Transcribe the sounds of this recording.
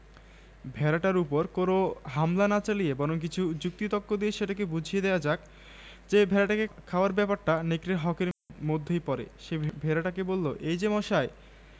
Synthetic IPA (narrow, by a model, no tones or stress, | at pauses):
bʱɛɾaʈaɾupoɾkonoɦamlanat͡ɕalijebɔɾoŋk̬it͡ɕʰud͡ʑuk̚t̪it̪ɔkːod̪ieʃeʈak̬ebud͡ʑʱijed̪ɛoad͡ʑak̚ | d͡ʑebʱɛɾaʈakekʰaoaɾbɛpaɾʈanekɾeɾɦɔkeɾmod̪ʱːejpɔɾḛʃebʱɛɾaʈakebolːo̰ʔejd͡ʑemɔʃae